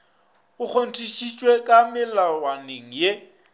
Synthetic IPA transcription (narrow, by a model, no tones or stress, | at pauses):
ʊk͡xʰon̩tʰʼiʃit͡ʃʼwekʼamɪlawaneŋ̩je